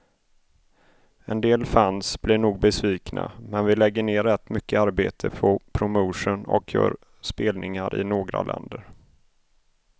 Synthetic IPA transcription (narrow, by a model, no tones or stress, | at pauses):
ɛnd̪eːlfansb̥lɪɳuːɡ̚bɛsviːknʔa̰mɛnvɪlɛɡːəɳeːɾɛt̪ːmʏkːəaɾbeːt̪ʰəpʰɔpʰɾʊmoːʂʊnɔ̰kʰjœ̰ːɾ | speːlnɪŋaɾʔɪ̰noːɡɾa̰lʔɛ̰nd̪əɾ